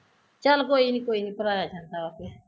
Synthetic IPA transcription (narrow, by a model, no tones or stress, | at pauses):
t͡ʃalkojinikoinipɾajad͡ʒantaakɛ